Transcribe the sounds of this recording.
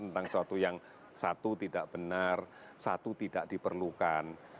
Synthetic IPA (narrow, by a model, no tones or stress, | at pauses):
ənt̪aŋsuat̪ujaŋ | sat̪ut̪idaʔb̥ənar | sat̪ut̪idaʔd̥ipərlukan